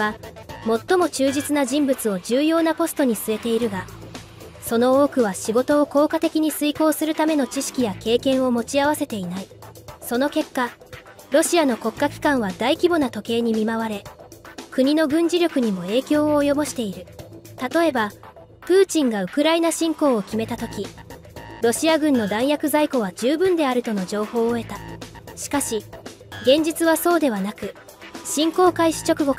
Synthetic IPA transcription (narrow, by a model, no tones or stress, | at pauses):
a | mo̞t̪ːo̞mo̞t͡ɕɨːd͡ʑit͡sɨnaʑĩmbɯ̟t͡sɨo̞d͡ʑɨːjo̞ːnapo̞sɨ̥t̪o̞ɲ̟isɨe̞t̪e̞iɾɯ̟ɡa | so̞no̞oːkɯ̟β̞aɕiɡo̞t̪o̞ːko̞ːkat̪e̞kʲiɲ̟isɨiko̞ːsɨɾɯ̟t̪ame̞no̞t͡ɕiɕi̥kʲijake̞ːkẽ̞ɰ̃o̞mo̞t͡ɕiaβ̞ase̞t̪e̞inaiso̞no̞ke̞kːa | ɾo̞ɕiano̞ko̞kːakʲi̥kãɰ̃β̞ad̪aikʲibo̞nat̪o̞ke̞ːɲ̟imʲimaβ̞aɾe̞kɯ̟ɲ̟ino̞ɡɯ̟̃ɲ̟d͡ʑiɾʲo̞kɯ̟ɲ̟imo̞e̞ːkʲo̞ːoːjo̞bo̞ɕi̥t̪e̞iɾɯ̟t̪at̪o̞e̞ba | pɯ̟ːt͡ɕĩŋɡaɯ̟kɯ̟ɾainaɕĩŋko̞ːkʲime̞t̪at̪o̞kʲi | ɾo̞ɕiaɡɯ̟̃nːo̞d̪ãɰ̃jakɯ̟zaiko̞β̞ad͡ʑɨːbɯ̟̃nd̪e̞aɾɯ̟t̪o̞no̞d͡ʑo̞ːho̞ːe̞t̪aɕi̥kaɕi | ɡẽ̞ɲ̟d͡ʑit͡sɨβaso̞ːd̪e̞βanakɯ̟ | ɕĩŋko̞ːkaiɕi̥t͡ɕo̞kɯ̟ɡo̞k